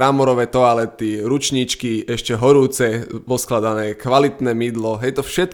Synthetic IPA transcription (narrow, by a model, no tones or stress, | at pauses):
amɔɾɔʋɛːt̪ɔalɛt̪iɾut͡ʃɲit͡ʃkiɛʃcɛɦɔɾuːt͡sɛpɔsklad̪anɛːkʋalit̪nɛːmid̪lɔɦɛjɛjt̪ɔfʃɛt̪̚